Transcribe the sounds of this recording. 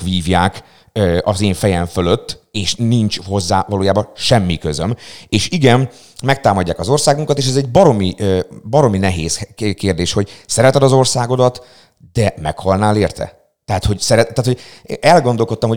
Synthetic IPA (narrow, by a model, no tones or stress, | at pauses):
ʋiːvjaːk | øɒzeːɱfɛjɛɱføløt̪ːeːʃniɲt͡ʃho̞zːa̰ːvɒloːjaːbɒʃɛmːikøzømeːʃiɡɛn | mɛk̚t̪aːmɒɟːaːkɒzo̞rsaːɡuŋkɒt̪eːʃ̬ɛzɛɟ̚bɒɾo̞mibɒɾo̞minɛɦeːskeːrd̪eːʃho̞ɟsɛɾɛt̪ɛd̪ɒzo̞rsaːɡo̞d̪ɒt̪ | d̪̥ɛmɛkhɒlnaːleːrt̪ʰɛ̰ | t̪ɛɦat̪ho̞ɟsɛɾɛaːt̪hoɛlɡo̞nd̪o̞lko̞t̪ːɒmho